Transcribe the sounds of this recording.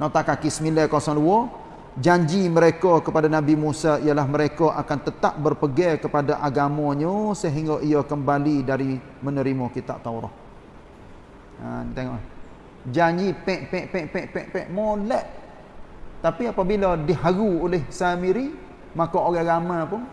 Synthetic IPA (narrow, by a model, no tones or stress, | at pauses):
nɔt̪aʔkakisəmilɛkosaŋluɔ | d͡ʒaɲd͡ʒiməɾekɔkəpadanabimusaijalaɦməɾekɔʔakant̪ət̪ap̚bərpəɡɛkəpadaʔaɡamɔɲɔsəɦiŋɡɔʔijɔkəmbalidaɾi | mənəɾimɔkit̪a̰ʔt̪awɾɔ̰ʔ | ənt̪eŋɔ̰ʔla | d͡ʒaɲd͡ʒipɛ̃ʔpɛ̃ʔpɛ̃ʔpɛ̃ʔpɛ̃ʔpɛ̃ʔmolɛʔ | t̪apiapabilɔdiɦaɡuolɪhsamiɾi | makɔoɣɛɡamãpʊŋ